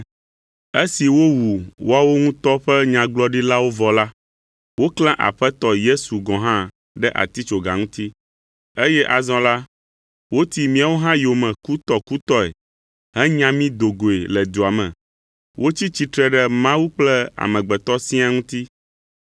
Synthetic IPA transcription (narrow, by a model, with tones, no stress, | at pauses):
e˦si˨wo˦wu˨wo˦a˦˨wo˦ŋũ˦t̪ɔ˦ɸɛ˦ɲã˨ɡ͡blɔ˦ɖi˦la˦wo˦vɔ˨la˦ | wo˦klã˦ʔa̰˨ɸɛ˦t̪ɔ˦je˦su˨ɡɔ̃˨ɦã˦ | ɖɛ˦ʔa̰˨t̪i˦t͡ʃo˨ɡa˨ŋũ˦t̪i˦ | e˦jɛ˦ʔa˨zɔ̃˨˦la˦ | wo˦t̪i˨mĩ˦a˨wo˦ɦã˦jo˨mɛ̃˨ku˦t̪ɔ˦ku˦t̪ɔ˦ɛ̰˨ | ɦɛ˦ɲã˨mĩ˦d̪o˨ɡo˨e˨lɛ˨d̪u˨a˨mɛ̰̃˨ | wʔo˦t͡ɕi˦t͡ɕi˨t̪ɾɛ˦ɖɛ˦mã˦wu˦k͡plɛ˦a̰˨mɛ̃˨ɡ͡bɛ˨t̪ɔ˦sĩ˦a˨ŋũ˦t̪i˦